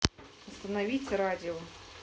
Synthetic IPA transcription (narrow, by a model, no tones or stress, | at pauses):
ɐst̪ɐnɐʋʲit͡sʲɐɾɑdʲɪɔ